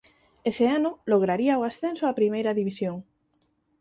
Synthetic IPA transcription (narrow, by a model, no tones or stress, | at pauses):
eseanʊloɣ̞ɾaɾiaoasθensoapɾimejɾaðiβ̞isjoŋ